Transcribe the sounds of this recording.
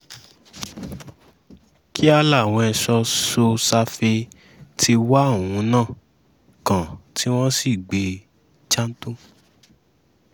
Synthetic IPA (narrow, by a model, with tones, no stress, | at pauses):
kʰi˦a˧la˦˨w̃ɔ̃˧ɛ˧sɔ˧so˧sa˧fe˧ | tʰi˧wa˦˨ũ˨˦nãː˦˨ | kã˨ti˦w̃ɔ̃˦si˦˨ɡ͡be˧ | t͡ʃã˦n̩˦tũ˦